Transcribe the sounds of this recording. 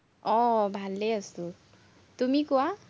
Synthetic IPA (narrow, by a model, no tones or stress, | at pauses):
ɔbʱalːeəsu | t̪umikɔa